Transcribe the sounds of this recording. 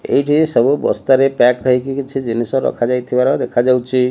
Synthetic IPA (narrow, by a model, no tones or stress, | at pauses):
ḛɦiʈʰisəbubɔ̰st̪aɾepɛkːəɦikikt͡ʃʰid͡ʒinisə̃ɾɔ̰kʰad͡ʒajt̪ʰibaɾɦɔd̪ekʰad͡ʒawt͡ʃʰi